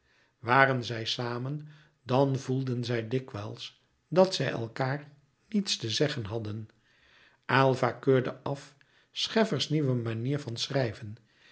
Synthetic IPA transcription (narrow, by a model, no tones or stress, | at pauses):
ʋaːrənzɛjsaːmən | dɑnvulˠdənzɛjdɪkʋɛlˠs | dɑtsɛjɛ̰lˠkaːɹ | nitstəzɛχənɦɑdən | ʔaːlˠvakøːɹdəʔɑf | sχɛfəɹsniʋəmaniːɹvɑnsrɛjvən